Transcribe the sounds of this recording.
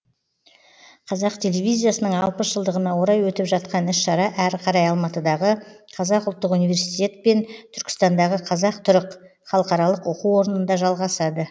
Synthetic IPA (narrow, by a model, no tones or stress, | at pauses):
qʰɑzɑqt̪ʲʰe̞levʲijzʲijasənəɴɑlˠpəsʒ̥əlˠd̪əʁənɑwo̞ɾɑjwɵt̪ɪpʒɑt̪qɑnɪsʃɑɾɑʔæɾqʰɑɾɑjɑlˠmɑt̪əd̪ɑʁəqʰɑzɑqʊlˠt̪ːəqunijvʲe̞ɾsit̪ʲe̞t̪̚pe̞nt̪ʰʏɾkʲɪ̥st̪ɑnd̪ɑʁəqʰɑzɑq̚t̪ʰʊɾəq | χɑlˠəqɑɾɑlˠəqoquwo̞ɾənənd̪ɑʒɑlˠʁɑsɑd̪ə